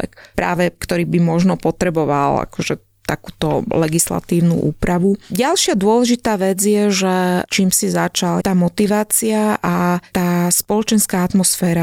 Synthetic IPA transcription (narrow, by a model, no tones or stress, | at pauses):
ɛ̰kpɾa̰ːʋɛkt̪ɔɾiːbimɔʒnɔpɔt̪ɾɛbɔʋala̰kɔʒɛ | t̪akuːt̪ɔlɛɡisla̰t̪iːʊnṵʔṵːpɾaʋuɟalʃɪad̪ʊɔlɛʒit̪aːʋɛd͡zjɛʒɛt͡ʃiːmsizat͡ʃalt̪aːmɔt̪iʋaːt͡siaʔat̪aːspɔlɔt͡ʃɛnskaːat̪mɔsfɛːɾa